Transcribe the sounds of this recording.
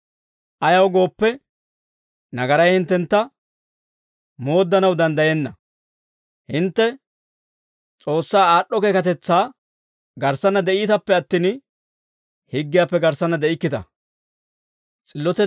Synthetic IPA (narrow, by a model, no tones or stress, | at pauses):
ʔɐjɐwɡo̞ːpːɛ | nɐɡɐɾɐjhɪnt̪ːɛnt̪ːɐ | mo̞ːd̪ːɐnɐwd̪ɐnd̪ɐjɛnːɐ | hɪnt̪ːɛ | t͡sʼo̞ːsːaːaːɗːɔke̞ːkɐt̪ɛt͡sːaː | ɡɐɾsɐnɐd̪ɛʔiːt̪ɐpːɛɐt̪ːiːn | hɪɡːɪjaːpːɛɡɐɾsɐnːɐd̪ɛʔɪkːɪt̪ɐ̰ | t͡sʼɪlːɔt̪ɛ